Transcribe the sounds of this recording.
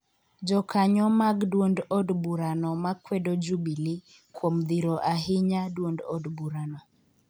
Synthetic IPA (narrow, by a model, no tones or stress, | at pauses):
d͡ʒɔkaɲɔmaɡdwondɔdbuɾanɔmakwɛdɔd͡ʒubili | kwomd̪iɾɔʔaɦɪɲadwondɔ̰dbuɾanɔ